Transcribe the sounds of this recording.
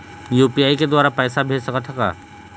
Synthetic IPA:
juːpiaːiked̪waːɾapɛːsabʱeːd͡ʒsɐkət̪ʰɐka̰ː

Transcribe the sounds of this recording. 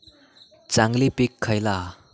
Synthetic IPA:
t͡ʃaŋlipikʰːajla

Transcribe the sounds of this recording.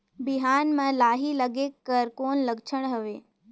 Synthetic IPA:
bɪɦaːnmãlaːɦiləɡekːəɾkoːnləɡt͡ʃʰəɽ̃ɦəʋeː

